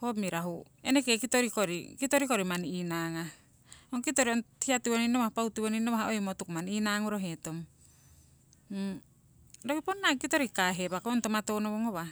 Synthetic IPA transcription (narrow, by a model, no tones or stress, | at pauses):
homiɾaɦu | enekekitoɾikoɾḭkitoɾikoɾimaniinaŋa | oŋkitoɾionhiatiβoninoβahapautiβoninoβaɦaojmotukmaninaŋoɾoɦetom | dokiponːakitoɾikaɦebakoontomatonoβoŋoβa